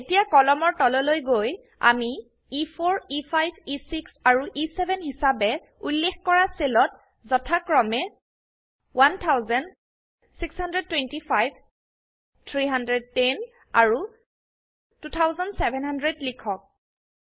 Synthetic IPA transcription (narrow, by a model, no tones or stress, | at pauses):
etijakɔlɔmɔɹtɔlɔlojɡoj | a̰mi | ifʰoɹipʰajbʱisiksaɹuʔisebʱɛnɦisabɛ | ulːexkɔɹaselɔt̚ | zɔtʰakɹɔmɛ | wantʰawzan | sikshandɹɛd̚tːwentipʰajb | tʰɹiɦandɹɛd̚ten | aɹu | tutʰawzɔnsɛbʱɛnɦandɹɛdlikʰɔk̚